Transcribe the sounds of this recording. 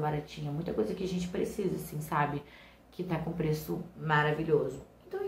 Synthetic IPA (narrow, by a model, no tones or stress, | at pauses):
baɾat͡ʃĩɲɐɛmũj̃t̪ɐkojzɐkɪaʒẽnt͡ʃɪ̥pɾesizɐsĩsabɪ | kɪt̪akõpɾesʊmaɾaviʎozʊẽnt̪ɐ̃w̃